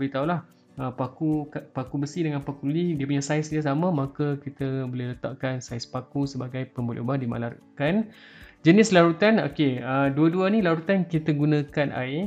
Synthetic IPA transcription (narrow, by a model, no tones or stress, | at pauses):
əit̪aulah | əpakukapakubəsidəŋanpakululidiəpuɲasaɪsdiasamə̃makəkit̪əbolɪlət̪a̰ʔkansaɪspakusəbaɡajpəmbolḭubahdima̰laɾukand͡ʒənɪslaɾut̪ano̰keəduəduənilaɾut̪ankit̪əɡunə̃kanʔa̰ɪ